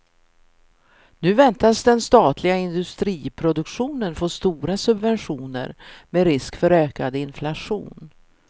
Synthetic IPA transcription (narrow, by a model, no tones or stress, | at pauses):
nʉ̟ːvɛnt̪asd̪ɛnst̪ɑːt̪lɪɡaɪnd̪ɵst̪ɾiːpʰɾʊd̪ɵkɧuːnənfoːst̪uːɾasɵbvɛnɧuːnə̰ɾmeːɾɪskfœɾøːkad̪əɪnflaʂṵːn